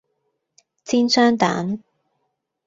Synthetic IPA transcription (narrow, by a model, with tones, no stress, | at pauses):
t͡sʰiː˥nsœː˥ŋt̪a̰ː˨˥n